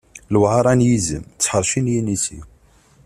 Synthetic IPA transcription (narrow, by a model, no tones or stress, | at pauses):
lwʕɑɾˤænjizə̰mt͡sːħəɾˤʃinjinisḭ